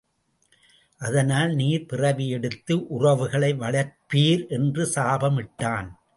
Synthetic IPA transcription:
ʔɐðɐnaːlniːɾpɪrɐʋɪjɛɽɯt̪ːɯʔʊrɐʋɯɣɐɭɐɪʋɐɭɐɾpiːɾʔɛndrɯsaːbɐmɪʈːaːn

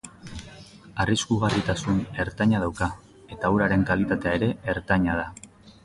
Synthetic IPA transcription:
ariskuɣ̞arit̪asune̞ɾt̪aɲaðawka | e̞t̪auɾaɾe̞ŋkalit̪at̪e̞aeɾe̞ːɾt̪aɲað̞a

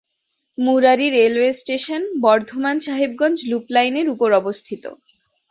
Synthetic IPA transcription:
muɾaɾiɾelwesʈeʃonbɔɾd̪ʱomanʃaɦibɡɔnd͡ʑluplajneɾupoɾɔbost̪ʰit̪o̰

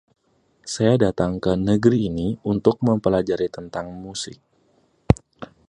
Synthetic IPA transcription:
sajadat̪aŋkənəɡɾiːniunt̪ʊk̚məmpəlad͡ʒaɾit̪ənt̪aŋmusɪ̰k̚

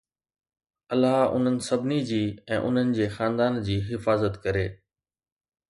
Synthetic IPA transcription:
ɐlːaɦʊ̰n̤ənɪ̆sɐbʱɪnid͡ʑiːɛ̃ːʔʊ̰n̤ənɪ̆d͡ʑeːxãːnd̪aːnd͡ʑiːɦɪfaːzət̪kɐɾeː

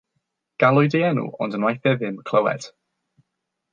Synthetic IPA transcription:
ɡ̥alˠʊjdɪɛnṵʔɔ̰ndənwajθɛðɪmkʰl̥əwɛ̰t

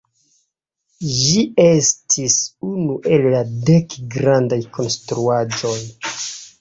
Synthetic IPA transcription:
ʒie̞stʰisunuʔe̞lːade̞kɡɾandajkʰo̞nstɾuad͡ʒo̞j

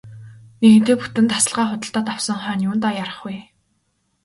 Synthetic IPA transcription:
neɣɘ̆n̥t̪eːput̪ɘ̆nt̪asə̆ɮʁaːχʊt̪ə̆ɬt̪ɔːt̪awsə̆ŋχœːnjuːnt̪ajaɾə̆χuj

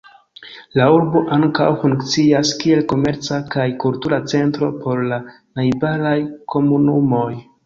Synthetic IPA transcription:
lauɾbo̞ʔaŋka̰wfuŋkt͡siaskie̞lko̞me̞ɾt͡sakajkultuɾat͡se̞ntɾo̞̰pʰo̞ɾla | najbalajkʰo̞munumo̞j

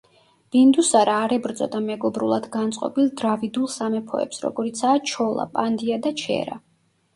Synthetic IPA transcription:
b̥ind̪usaɾaːɾɛbɾd̪zʼɔ̰d̪amɛɡɔbɾulˠad̪ɡant̪sʼqʼɔ̰bilˠd̪ɾavid̪ulˠsamɛpʰɔ̰ɛ̰psɾɔ̰ɡɔɾit̪sʰaːt͡ʃʰɔlˠa̰pʼand̪iad̪at͡ʃʰɛ̰ɾa̰

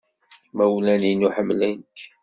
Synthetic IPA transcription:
mæwlæninuħəmlink

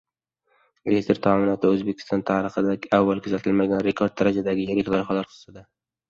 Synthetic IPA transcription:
est̪ɾt̪ʰɒːmɪnɒt̪ʰɪɵzbekʲʰɪ̥st̪ɒnt̪ʰaɾɨχɨd̪aɡʲɪavːalˠkʰʊzat̪ʰɪlmaɡʲanɾe̞kʰoɾd̪̚ːaɾad͡ʒad̪aɡʲɪjeɾʲɪkʲlɒɾχalaɾqʰɨ̥z̥st̪ad̪a

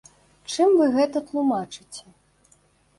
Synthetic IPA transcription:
t͡ʂɨmvɨɣɛt̪ɐt̪lˠumat͡ʂɨ̥t͡sʲɛ

